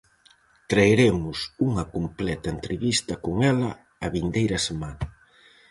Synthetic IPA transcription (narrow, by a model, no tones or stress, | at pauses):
t̪ɾaeɾemʊsuŋɐkomplɛt̪ɐent̪ɾeβist̪ɐkoŋɛlɐ | ɐβind̪ejɾɐsemanɐ